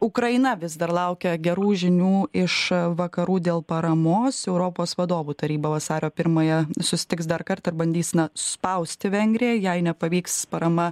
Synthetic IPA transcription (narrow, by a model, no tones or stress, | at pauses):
ʊkɾɐɪnɐʋʲɪzd̪ɐɾlˠɐʊkʲɛɡʲɛɾuːʒʲɪnʲuːɪʃʋɐkɐɾuːd̪ʲeːlˠpɐɾɐmoːsɛʊɾoːpoːsʋɐd̪oːʋuːt̪ɐɾʲiːbɐʋɐsɑːɾʲoːpʲɪɾmɐjɛsʊsʲɪ̥t̪ʲɪksd̪ɐɾkɐrt̪ɪrbɐnʲd̪ʲiːsʲnɐspɐʊsʲt̪ʲɪʋʲɛŋʲɡɾʲɪjɛjɛɪnʲɛpɐʋʲiːkspɐɾɐmɐ